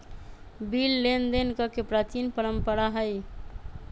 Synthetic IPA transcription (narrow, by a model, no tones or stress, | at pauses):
bilːend̪enkəkepɾat͡ʃinpəɾəmpəɾaɦəj